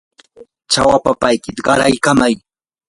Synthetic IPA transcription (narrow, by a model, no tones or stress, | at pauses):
t͡ʃawapapajkɪt̪ɢɑɾajkamaj